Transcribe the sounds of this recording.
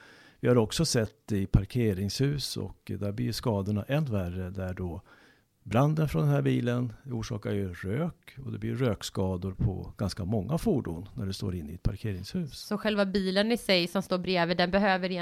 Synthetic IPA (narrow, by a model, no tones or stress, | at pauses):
vɪhaɾɔksɔsɛt̪ːd̪ɛɪpʰaɾkʰeːɾɪŋshʉ̟ːsɔ̰kd̪æɾblɪjʂkɑːd̪ʊɳaʔɛnːværəd̪æɖɔ | bɾand̪ənfɾɔnd̪ɛnæɾbiːlənuːʂɑ̰ːkajɵɾøːkɔd̪ɛblɪɾøːkskɑːd̪ʊɾpʰɔ̰ɡ̥anskamɔŋːafuːɖṵːnːæɖɛst̪o̰ːɾɪnːɪɛt̪pʰaɾkʰeːɾɪŋshʉ̟ːssɔɧɛlvabiːlənɪsɛjsɔmst̪oːɾbɾeːvəd̪ɛnbɛɦøːvəɾɪ